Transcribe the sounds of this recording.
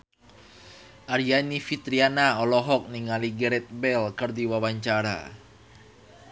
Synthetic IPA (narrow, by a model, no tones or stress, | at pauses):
ʔaɾianifit̪ɾianaɔlɔɦɔk̚niŋaliɡɛɾɛt̪̚bɛlkərdiwawaɲt͡ʃaɾa̰